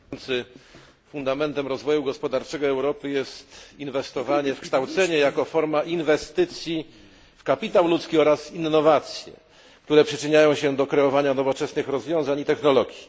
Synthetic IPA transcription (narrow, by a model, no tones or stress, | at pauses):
nt̪sɘ | fund̪amɛnt̪ɛmɾɔzvɔjuɡɔspɔd̪aɾt͡ʂɛɡɔɛwɾɔpɘjɛst̪invɛst̪ɔvaɲɛfkʂt̪awt̪sɛɲɛjakɔfɔɾmaʔinvɛst̪ɘt̪sʲji | fkapʲit̪awlut̪skʲiɔɾasinːɔvat̪sʲjɛ̰ | k̚t̪uɾɛpʂɘt͡ʂɘɲajɔ̃w̃ɕɛd̪ɔkɾɛɔvaɲanɔvɔt͡ʂɛsnɘxɾɔzvjɔ̃w̃zaɲit̪ɛxnɔlɔɡʲji